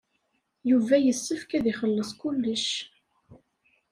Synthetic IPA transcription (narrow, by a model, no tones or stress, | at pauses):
juvæjəsːəfkæðiχəlːəsˤkʊlːəʃ